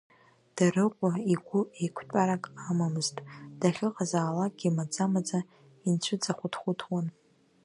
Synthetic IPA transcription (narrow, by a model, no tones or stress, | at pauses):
d̥arɨqʷʼaiɡʷʊekʷʰtʷʼaɾakʼamamɨztʼd̥aχʲɪqʼazaːlakɡʲimad͡zamad͡za | int͡ɕʷʰʊd͡zaχʷʊtʰχʷʊtʰwan